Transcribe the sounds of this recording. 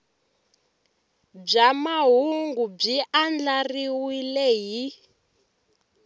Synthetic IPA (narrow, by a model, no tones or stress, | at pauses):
b͡ʐamaɦuŋɡub͡ʐiʔand͡ɮariwilɛɦi